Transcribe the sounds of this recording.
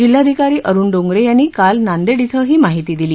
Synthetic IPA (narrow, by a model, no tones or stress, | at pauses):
d͡ʑilːad̪ʱikaɾiːʔəɾuːnɖoŋɡɾejanːiːkalnand̪eɽit̪ʰəɦiːmaɦit̪iːd̪iliː